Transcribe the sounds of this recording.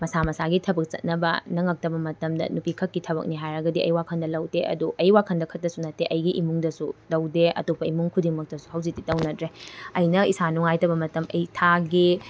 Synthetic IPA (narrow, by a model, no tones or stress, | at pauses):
mɐsamɐsaɡitʰɐbɐk̚t͡ʃɐ̰t̚nɐbɐ̰nɐŋɐk̚tɐbɐmɐtɐmdɐ̰nupikʰɐkːitʰɐbɐ̰k̚niɦajɾɐɡɐdiʔɐ̰jwakʰɐndɐlɐwteʔɐ̰duʔɐjwakʰɐndɐkʰɐt̚ːɐsunɐteʔɐjɡiʔimuŋdɐsudɐwdeɐ̰tupːɐimuŋkʰudiŋmɐk̚tɐsu̥hɐwzik̚tːitɐwnɐtɾeɐjnɐisanuŋajtɐbɐmɐtɐmɐjtʰaɡi